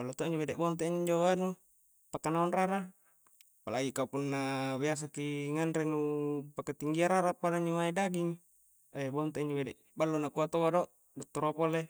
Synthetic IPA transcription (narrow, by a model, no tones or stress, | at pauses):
alːot̪oʔiɲd͡ʒoβedɛʔbont̪̬eiɲɲd͡ʒoanu | pakːanaunraɾa | pa̰laɡikaupunːabias̬akiŋanɾenupakːat̪iŋɡiaɾaɾapadaɲd͡ʒomaidaɡiŋ | bont̪eiɲd͡ʒobedɛʔ | balːunakuat̪oadoʔ | dot̪ːoɾopole